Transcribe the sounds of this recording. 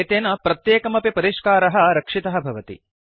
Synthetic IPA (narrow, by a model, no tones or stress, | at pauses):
t̪eːnɐpɾɐt̪jeːkɐmɐpipɐɾiʂkaːɾɐɦɐɾɐkʂit̪ɐɦɐbʱɐʋɐt̪ḭ